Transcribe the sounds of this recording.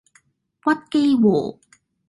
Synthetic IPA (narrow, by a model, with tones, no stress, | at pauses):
wɐ˥t̚ke˥jwoː˨˩